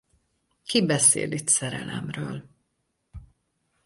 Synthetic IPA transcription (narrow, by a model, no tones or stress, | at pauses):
kibɛsḛːlit̪sɛɾɛlɛmrøːl